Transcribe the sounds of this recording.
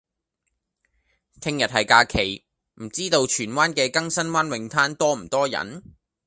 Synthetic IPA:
t̪ʰɪ˧ŋjɐ˨t̚hɐ˨jkaː˧kʰe˨˩j | m̩˨˩t͡siː˥t̪o˧wt͡ʃʰyː˨˩nwaː˥nkɛː˧kɐ˥ŋsɐ˥nwaː˥nwɪ˨˧ŋt̪ʰaː˥nt̪ɔː˥m̩˨˩t̪ɔː˥jɐ̰˨˥n

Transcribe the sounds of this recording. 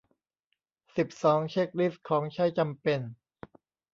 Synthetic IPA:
si˨˩p̚sɔː˩˦ŋt͡ɕʰeː˥˩k̚li˦˥˩skʰɔː˩˦ŋt͡ɕʰa˦˥˩jt͡ɕa˧mpe˧n

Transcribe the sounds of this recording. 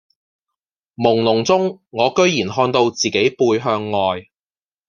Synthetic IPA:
mʊ˨˩ŋlʊ˨˩ŋt͡sʊ˥ŋːɔː˨˧kɵ˥ɥjiː˨˩nɦɔː˧nt̪o˧wt͡siː˨˩ke˨˥jpuː˧jɦœː˧ŋːɔː˨j

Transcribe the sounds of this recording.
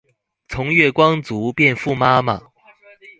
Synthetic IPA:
t͡sʰʊ˧˥ŋɥɛ˥˩kwɑ˥ŋt͡su˨˧˥pjɛ˥˧nfu˥˩ma˥ma˨˩

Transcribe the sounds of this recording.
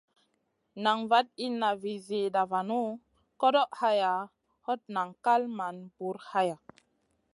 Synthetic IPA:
na˨ŋva˦t̚i˦nːa˨vi˨ze˨da˨va˨nu˦ | ko˦do˦ʔha˦ja˨ | ho˦t̚na˨ŋka˦lma˨nbu˨˦ɾha˦ja˨

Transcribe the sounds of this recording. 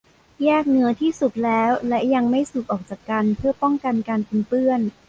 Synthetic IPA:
jɛː˥˩k̚nɯ˦˥ɐt̪ʰiː˥˩su˨˩k̚lɛː˦˥wlɛ˦˥ʔja˧ŋma˥˩jsu˨˩k̚ʔɔː˨˩k̚t͡ɕaː˨˩kːa˧npʰɯ˥˩ɐpɔ˥˩ŋka˧nkaː˧npe˧npɯ˥˩ən

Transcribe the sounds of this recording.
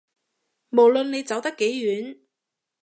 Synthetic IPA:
mo˨˩wlɵ˨˧nne˨˧jt͡sɐ˨˥wt̪ɐ˥kːe˨˥jɥyː˨˥n

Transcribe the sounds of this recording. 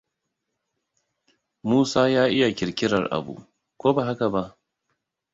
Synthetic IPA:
muː˦saː˦jaː˦ʔɪ˦ja˨kʲɪ˨ɾkʲɪ˦ɾɐ˨rʔa̰˨bṵ˨ | kʷoː˦ba˨ɦa˦ka˨ba˦ʔ

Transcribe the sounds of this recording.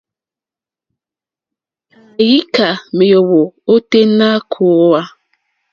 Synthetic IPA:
a˨ji˦ka˨me˨jo˨wo˨o˦te˦na˦kʰo˦a˦

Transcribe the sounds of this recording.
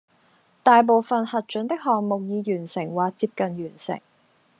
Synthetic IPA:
t̪aː˨jp̬o˨wfɐ˨nhɐ˨t̚t͡ʃɵ˨˥nt̪ɪ˥k̚hɔː˨ŋmo˨k̚jiː˨˧jyː˨˩nsɪ˨˩ŋwaː˨k̚t͡siː˧p̚kɐ˨˩njyː˨˩nsɪ̰˨˩ŋ

